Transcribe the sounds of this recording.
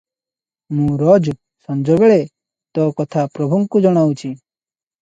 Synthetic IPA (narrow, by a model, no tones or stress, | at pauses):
mũɾɔd͡ʒ | sɔ̃nd͡ʒɔbeɭe | t̪ɔkɔt̪ʰapɾɔbʱuŋkud͡ʒɔɽ̃awt͡ʃʰi